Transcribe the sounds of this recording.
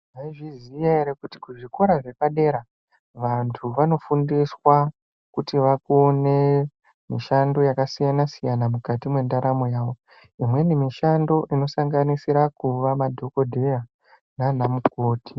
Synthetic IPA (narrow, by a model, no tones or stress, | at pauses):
ʐaiʐizijaeɾekuti̥kuʐiko̞ɾaʐe̞paɗe̞ɾa | ʋantʰuʋano̞fundiswa | kutiʋakone̞ | miʃando̞jakasijanasijanamukatimwe̞ndaɾamo̞jaːʋo̞ | imwe̞nimiʃando̞ʔino̞saŋɡanisiɾakuʋamadʱo̞ko̞dʱe̞ja | nanamuko̞ːti̥